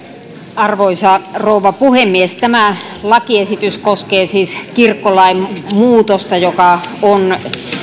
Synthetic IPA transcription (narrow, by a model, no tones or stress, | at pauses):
ɑrʋoisɑrouʋɑpuhemːiest̪æmælɑkiesit̪yskoskeːsiːskirkːolɑimmuːt̪ost̪ɑjokɑon